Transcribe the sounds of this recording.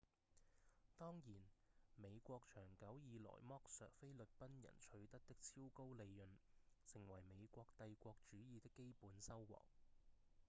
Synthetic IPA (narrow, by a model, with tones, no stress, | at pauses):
t̪ɔː˥ŋjiː˨˩nme˨˧jkʷɔː˧k̚t͡ʃʰœː˨˩ŋkɐ˨˥wjiː˨˧lɔ̰ː˨˩jmɔː˥k̚sœː˨k̚fe˥jlɵ˨t̚pɐ˥njɐ̰˨˩nt͡ʃʰɵ˨˧ɥt̪ɐ˥k̚t̪ɪ˥k̚t͡sʰiː˥wko˥wle˨˧jːɵ˨nsɪ˨˩ŋwɐ˨˩jme˨˧jkʷɔː˧k̚t̪ɐ˧jkʷɔː˧k̚t͡ʃyː˨˥jiː˨˧t̪ɪ˥kːe˥jpuː˨˥nsɐ˥wwɔ̰ː˨˩k̚